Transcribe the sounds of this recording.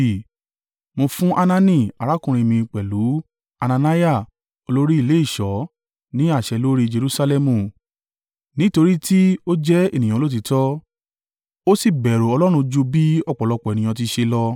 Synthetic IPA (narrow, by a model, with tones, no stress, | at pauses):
mo˧fũ˦ʔa˧nã˧nĩ˧˨a˨ɾa˨˦kũ˧ɾ̃ĩ˧mĩ˧k͡pɛ˨lu˨˦ | a˧nã˧na˦ja˦˨ | o˧lo˦ɾi˦i˦˧le˨˦i˦˨ʃɔ˨˦ | nĩ˦a˦˨ʃɛ˧lo˦ɾi˦d͡ʒe˧ɾu˧sa˧lɛ˧mũ˨ | nĩ˨˦to˧ɾi˦ti˦o˦d͡ʒɛ˦e˦˨nĩ˨j̃ã˨˧˦o˦t̬i˧tɔ˦ | o˦si˦˨bɛ˨ɾo˨ɔ˧lɔ˦ɾ̃ũ˧d͡ʒu˧bi˦ɔ˦˨k͡pɔ˨lɔ˧k͡pɔ˨e˨nĩ˨j̃ɔ̃˧t̬i˧ʃe˧lɔ˧